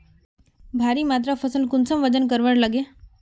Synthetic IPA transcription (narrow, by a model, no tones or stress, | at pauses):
bʱaɾiːmat̪̬ɾafəsəlkunsəmʋəd͡ʑənkəɾʋəɽləɡe